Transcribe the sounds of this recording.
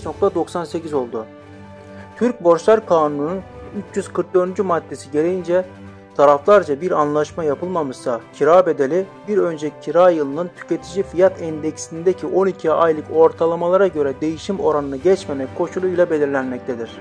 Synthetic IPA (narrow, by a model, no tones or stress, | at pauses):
no̞k̚t̪ʰad̪o̞ksanse̞cizo̞lˠd̪u | t̪ʰyɾc̚bo̞ɾʃlˠaɾkʰaːnunununyt͡ʃʰjyz̥kʰɯɾk̚d̪ø̞ɾd̪ynd͡ʒymad̪ːe̞siɟe̞ɾejind͡ʒɛ | t̪ʰaɾaflˠaɾd͡ʒabiɾanlˠaʃmajapʰɯlˠmamɯzsacʰiɾaːbe̞d̪e̞lʲi | biɾø̞nd͡ʒɛcʰːiɾaːjɯlˠɯnɯnt̪ʰy̥cʰe̞t̪ʰid͡ʒifijat̪ʰɛnd̪ɛcsind̪ecʰiʔo̞nicʰiajlˠɯko̞ɾt̪ʰalˠamalˠaɾaɟø̞ɾɛd̪e̞jiʃimo̞ɾanɯnɯɟɛt͡ʃmemɛckʰːo̞ʃulˠujlˠabe̞lʲiɾlʲænmɛc̚t̪ʰed̪iɾ̝̥